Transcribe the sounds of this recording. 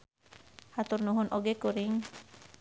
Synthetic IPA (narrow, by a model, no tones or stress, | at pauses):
hat̪urnuɦunʔɔɡekuɾiŋ